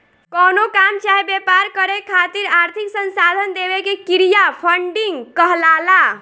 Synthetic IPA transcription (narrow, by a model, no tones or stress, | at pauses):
kɔnokamt͡ʃaɦebepaɾkəɾekʰat̪iɾaɾt̪ʰiksənsad̪ʱənd̪ebekekiɾijapʰəɳɖiŋɡkəɦlala